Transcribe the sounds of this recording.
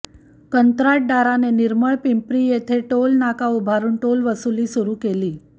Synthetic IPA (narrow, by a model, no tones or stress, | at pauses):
kənt̪ɾaʈ̚ɖaɾaneniɾməɭpimpɾiːjet̪ʰeʈolnakaubʱaɾuːnʈolʋəsuliːsuɾuːkeliː